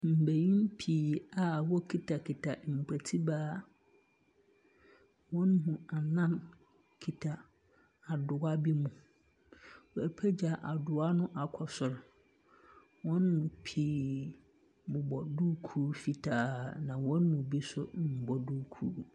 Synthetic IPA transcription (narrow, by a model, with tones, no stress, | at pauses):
m̩˨be˨jĩ˦m˦pʰiː˦a˨wɔ˦kʰi˦tʰa˨kʰi˨tʰa˨m̩˨pʰɛ˨tʰi˦baː˦ | wɔ̃˦nɦũ˨a˨nã˦n | kʰi˨tʰa˨ | a˨dʊ˨a˦bi˦mũ˨ | wɔ˨æ˨pʰɛ˦d͡ʑa˨ʔa˨dʊ˨a˦nʊ̃˦ʔa˨kʰɔ˨sʊ˨ɾ | wɔ̃˦nːʊ̃˨pʰiː˨˦ | bʊ˨bɔ˨duː˦kʰu˦fi˨tʰaː˦nã˨wɔ̃˦nmʊ̃˨bi˦sʊ˦m̩˨bɔ˦duː˦kʰuː˦